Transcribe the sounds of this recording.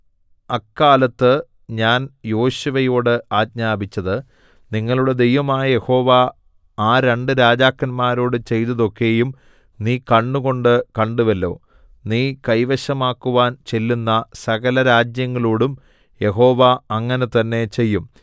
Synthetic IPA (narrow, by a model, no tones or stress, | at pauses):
ɐkːaːlɐt̪ːɨ | ɲaːnjo̞ːɕuʋɐjoːɽɨaːd̚ɲaːbit͡ɕːɐðɨ | niŋːɐɭuɽe̞d̪e̞jʋɐmaːjɐje̞ho̞ːʋa | aːɾe̞ɳɖɨɾaːd͡ʑaːkːɐnmaːɾo̞ːɽɨt͡ɕe̞jt̪ɐðo̞kːe̞ːjum | niːkɐɳːuɣo̞ɳɖɨkɐɳɖuʋɐlːo̞̰ː | niːkɐjʋɐɕɐmaːkːuʋaːnt͡ɕe̞lːunːɐsɐɣɐlɐɾaːd͡ʑjɐŋːɐɭoːɽum | je̞ɦo̞ːʋaɐŋːɐnet̪ɐnːe̞t͡ɕe̞jːum